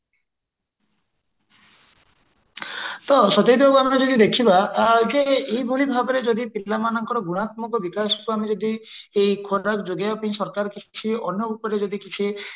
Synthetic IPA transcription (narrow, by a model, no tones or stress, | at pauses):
t̪ɔsɔt̪ed̪bɔkuamed͡ʒɔd̪id̪ekʰibad͡ʒeejbʱuɭibʱabɔɾed͡ʒɔd̪ipilːamanɔŋkɔɾɔɡuɽ̃at̪mɔkɔbikasɔ̥kuamed͡ʒɔd̪i | ejkʰoɾakd͡ʒoɡjapaĩsɔɾkaɾkit͡ʃʰiɔnjɔupɔɾed͡ʒɔd̪ikit͡ʃʰi